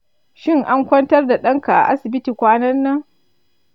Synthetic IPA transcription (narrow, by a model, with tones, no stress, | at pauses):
ʃɪ˦ŋʔa˦ŋkʷɐ˦ntɐ˦rda˨ɗɐ˦ŋka˨ʔa̰˨ʔa˦sɪ˨bɪ˦tiː˨kʷaː˦nɐ˦nːɐ˦ŋ